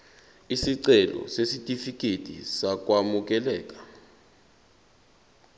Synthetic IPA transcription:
isiǀɛlɔ̰sesitʼifikʼetʼḭsak̬ʼwamuk̬ʼɛlɛːkʼḁ

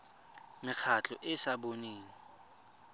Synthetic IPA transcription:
mɪk͡xʰat͡ɬʼɔʔɪsaboniːŋi

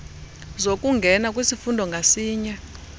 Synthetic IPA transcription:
zokʼuŋɡʱɛnakʼwisifundʱɔŋɡʱasiːɲa

